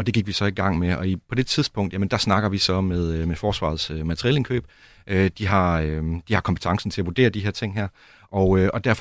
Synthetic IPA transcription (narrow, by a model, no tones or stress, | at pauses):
ɒ̽d̥e̝ɡiɡ̥ʋisɒ̽iɡ̥ɑ̈ŋ̰meɒ̽ipʰɒ̽d̥e̝t͡sʰið̞ˠsb̥ɔ̽ŋ̰d̥jæmənd̥æsnɑ̈ɡ̥ɐʋisɒ̽meðˠmefɒːsʋɑ̰̈ð̩ˠsømæt͡sʰəʁieːle̝nkʰø̰ːb̥̚ | ʔød̥iɦɑ̈ød̥ihɑ̈kʰɒ̽mpʰe̥t͡sʰɑ̈ŋsn̩t͡sʰe̝æʋud̥e̝̰ːɐd̥iɦeɐ̰t͡sʰeŋ̰ɦæɐ̰ | ʔɒʊøɒ̽d̥æɐf